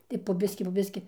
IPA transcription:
tɐɪ poː ˈbʲɪsʲkʲɪ poː ˈbʲɪsʲkʲɪ

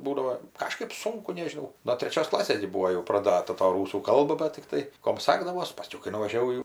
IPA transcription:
ˈbuːdɐʋoː ˈkɑːʃkɜp ˈsʊŋkʊ nʲɛʒʲɪˈnɐʊ noː tʲrʲɛˈt͡ʃʲoːs ˈklˠɑːsʲeːs ɡʲɪ ˈbuːoː jɛʊ prɐˈdɑːtɐ tɐ ˈruːsuː ˈkɐlˠbɐ bɐt tʲɪkˈtɐɪ ˈkoːm ˈsɑːɡdɐʋoːs pɐˈsʲkʲɛʊ kɐɪ nʊʋɐʒʲɛˈʋɐʊ jɛʊ

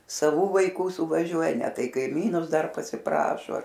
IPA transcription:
sɐˈʋuː ʋɐɪˈkuː sʊʋɐˈʒʲuɔjɛ ˈnʲɛ ˈtɐɪ kɐɪˈmʲiːnʊs ˈdɐr pɐsʲɪˈprɑːʃoː

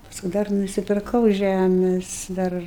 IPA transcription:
ˈpɑːskʊ ˈdɐr nʊsʲɪpʲɪrˈkɐʊ ˈʒʲæmʲɛs ˈdɐr

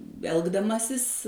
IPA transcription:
ˈɛlˠɡdɐmɐsʲɪs

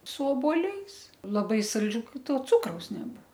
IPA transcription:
sʊ oːbuɔˈlʲɛɪs lˠɐˈbɐɪ sɐlʲˈd͡ʒʲuː kɐɪ ˈtoː ˈt͡sʊkrɐʊs nʲɛˈbʊʋoː

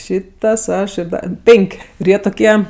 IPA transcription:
ˈʃʲiːtɐs ˈɐʃ ɪr ˈdɐ ˈpʲɛŋʲkʲ ɪr ˈjiɛ tʊˈkʲiɛ

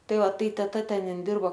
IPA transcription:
ˈtɐɪ ˈʋɐ ˈtɐɪ tʲɛˈtɐ ˈtʲɛn ˈɪn ˈdʲɪrboː

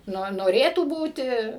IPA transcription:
ˈnoː noːˈrʲeːtuː ˈbuːtʲɪ

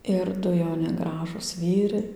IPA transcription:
ɪr ˈdʊ jɛʊˈnʲɪ ˈɡrɑːʒuːs ˈʋʲiːrɐɪ

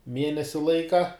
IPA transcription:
ˈmʲiɛnʲɛsʲɪ ˈlˠɐɪkɐ

